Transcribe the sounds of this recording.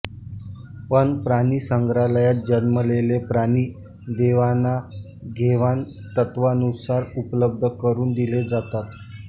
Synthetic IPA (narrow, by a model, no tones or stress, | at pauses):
pəɳpɾaniːsəŋɡɾaləjat̪̚d͡ʑənməlelepɾaniː | d̪eʋana | ɡʱeʋan | t̪ət̪ʋanusaɾupləb̚d̪ʱəkəɾuːnd̪iled͡zat̪at̪